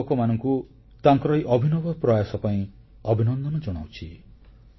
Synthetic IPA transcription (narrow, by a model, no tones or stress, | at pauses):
kɔmanɔŋku | t̪aŋkɔɾɔiʔɔbʱinɔbɔpɾɔjasɔpaĩ | ɔbʱinɔnd̪ɔnɔd͡ʒɔɽ̃a̰wt͡ʃʰi